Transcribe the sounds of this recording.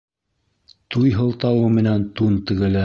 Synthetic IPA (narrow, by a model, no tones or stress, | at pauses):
t̪ujɦɤ̆lˠt̪ɑwɤmɘ̆nænt̪unt̪ɘ̆ɡɘ̆læ